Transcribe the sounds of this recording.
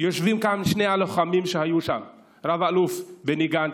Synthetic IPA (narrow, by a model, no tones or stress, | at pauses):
joʃvimkamʃnejaloχamimʃehajuʃam | ɾavalufbeniɡan